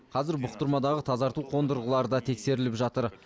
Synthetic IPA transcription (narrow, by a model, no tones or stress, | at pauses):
qʰɑzɪɾbʊqt̪əɾmɑd̪ɑʁət̪ʰɑzɑɾt̪uqʰo̞nd̪əɾʁəlˠɑɾəd̪ɑt̪ʰe̞kse̞ɾɪlɪpʒɑt̪əɾ